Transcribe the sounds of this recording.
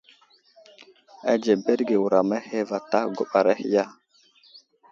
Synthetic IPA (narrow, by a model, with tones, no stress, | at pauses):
a̰˨d͡ʒe˨mpe˦ɾɡe˨wu˨ɾa˨ma˦he˦va˨ta˦ɡo˨ɓa˨ɾa˦hi˦ja˦